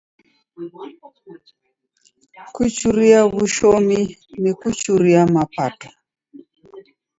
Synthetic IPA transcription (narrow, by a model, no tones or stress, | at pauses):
kut͡ʃuɾiaβuʃɔminɛkut͡ʃuɾiamapatɔ̥